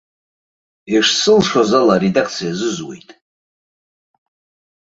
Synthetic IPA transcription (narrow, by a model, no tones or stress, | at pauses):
iʂsɨlʂazalaredakʰt͡sʰijazɨzwe̞̰jtʼ